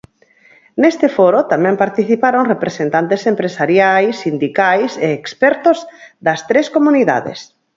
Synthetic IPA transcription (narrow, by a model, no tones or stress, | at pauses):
nest̪efoɾot̪amɛ̃mpaɾt̪iθipaɾoŋrepɾesent̪ant̪esempɾesaɾjajsːind̪ikajseːkspɛɾt̪ozd̪ɐst̪ɾeskomuniða̰ðḛs